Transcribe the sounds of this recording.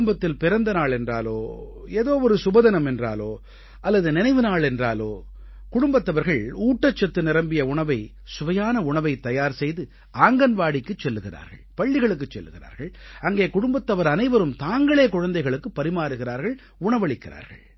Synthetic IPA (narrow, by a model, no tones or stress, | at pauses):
mbɐt̪ːɪlpɪɾɐnd̪ɐnaːɭɛndra̰ːloːeːðoːɔɾɯsʊbɐðɐnɐmɛndra̰ːloː | ɐlːɐðɯnɪnɐɪʋɯnaːɭɛndra̰ːloː | kʊɽʊmbɐt̪ːɐʋɐɾɣɐɭuːʈːɐt͡ʃːɐt̪ːɯnɪɾɐmbɪjɐʊɳɐʋɐɪ | sʊʋɐjaːnɐʊɳɐʋɐɪt̪ːɐjaːɾsɛjðɯ | aːŋɡɐnʋaːɽɪkːɯt͡ʃːɛlːɯɣɪra̰ːɾɣɐ̰ɭpɐɭːɪɣɐɭɯk̬ːɯt͡ʃːɛlːɯɣɪɾa̰ːɾɣɐɭɐŋɡeːkʊɽʊmbɐt̪ːɐʋɐɾɐnɐɪʋɐɾɯmt̪aːŋɡɐɭeːkʊɻɐnd̪ɐɪɣɐɭɯkːɯpːɐɾɪmaːɾɯɣɪɾaːɾɣɐɭ | ʊɳɐʋɐɭɪkːɪɾa̰ːɾɣɐ̰ɭ